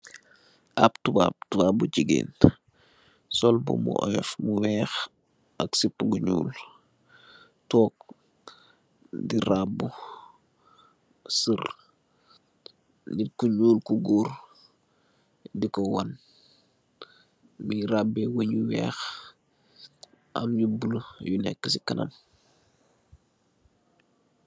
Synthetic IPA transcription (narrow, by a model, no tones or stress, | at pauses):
ʔaptuba̰b̚tubaːbud͡ʒiɡḭːn | sɔlbṵmṵʔɔ̰jɛfmuwɛːx | ʔɐksipːuɡuɲṵːl | tɔːk̚ | diɾabːu | sər | nikuɲuːlkuɡur | dikɔwɐn | miɾabːɛwəɲuwɛ̰ːx | ʔɐ̰mjubulujunɛ̰kːəsikɐnɐ̰m